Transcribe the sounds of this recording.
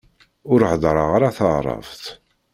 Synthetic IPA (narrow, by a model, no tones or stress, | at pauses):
ʊɾhəðˤɾˤəʁaɾaθəʁɾˤɑ̰vθ